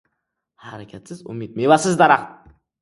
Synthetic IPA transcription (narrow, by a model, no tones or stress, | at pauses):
haɾakʲʰat̪sɪzʊ̰mit̪̚mevasɪzd̪ɑɾaq̪